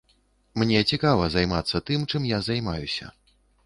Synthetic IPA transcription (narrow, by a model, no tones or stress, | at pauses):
mnʲɛt͡sʲikavɐzajmat̪sːɐt̪ɨmt͡ʂɨmjazajmajusʲɐ̰